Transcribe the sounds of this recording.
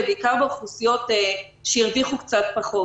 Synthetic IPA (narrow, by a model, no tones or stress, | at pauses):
beikaʁbeχusijo̞t̪e | ʃejiʁviχukt͡sat̚paχo